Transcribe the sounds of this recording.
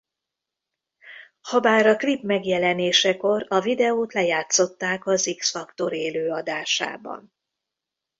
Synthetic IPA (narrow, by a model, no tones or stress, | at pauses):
hɒbaːɾɒklipmɛɡjɛlɛneːʃɛko̞rɒvid̪ɛoːt̪lɛjaːt̪so̞t̪ːaːkɒziksfɒkt̪o̞ɾeːløːɒd̪aːʃa̰ːbɒ̰n